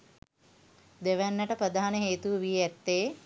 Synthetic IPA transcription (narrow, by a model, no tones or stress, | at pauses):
d̪eʋænːəʈəpɾəd̪aːanəɦeːt̪uʋʋiɛt̪ːeː